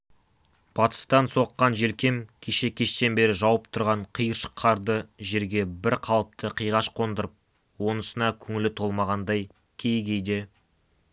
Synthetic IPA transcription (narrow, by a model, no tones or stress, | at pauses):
b̥ɑt̪ə̥st̪ɑnso̞qːɑnʒe̞lkʲe̞mkʲʰe̞ʃe̞kʲʰe̞ʃt̪e̞nbe̞ɾɪʒɑwəp̚t̪ʰʊɾʁɑɴqʰijəɾʃə̥qʰːɑɾd̪əʒe̞ɾɡʲe̞bɪɾqʰɑlˠəp̚t̪ʰəqʰijʁɑʃqʰo̞nd̪əɾəp̚ | wo̞nəsənɑkʲʰɵŋɪlɪt̪ʰo̞lˠmɑʁɑnd̪ɑj | kʲʰe̞jɡʲe̞jd̪e̞